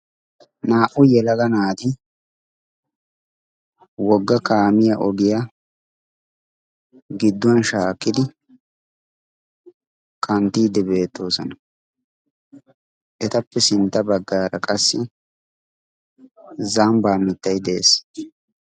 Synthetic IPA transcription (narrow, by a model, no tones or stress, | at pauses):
naːʔʊjɛlɐɡɐnaːd̪ɪ | wɔɡːɐkaːmɪjɐʔɔɡɪja | ɡɪd̪ːʊwɐnʃaːkːɪd̪ɪ | kʰɐnt̪iːd̪ɛbe̞ːt̪ːo̞ːsɔnɐ | ʔɛt̪ɐpːɛsɪnt̪ːɐbɐɡːaːɾɐkʼɐsːɪ | zambaːmɪt̪ːɐjd̪eḛːs